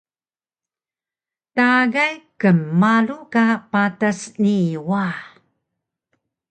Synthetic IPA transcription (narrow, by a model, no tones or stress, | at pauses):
taɡajkəmːalukapatasniwa